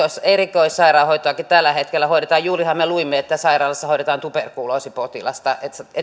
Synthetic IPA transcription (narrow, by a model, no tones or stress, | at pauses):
oiserikoissɑirɑːhoit̪oɑkit̪ælːæhet̪kelːæhoiɾet̪ɑːjjuːrihɑmeluimːeet̪ːæsɑirɑːlesːɑhoiɾet̪ɑːnt̪uperkuːloˑsipot̪ilɑ̰st̪ɑʔet̪e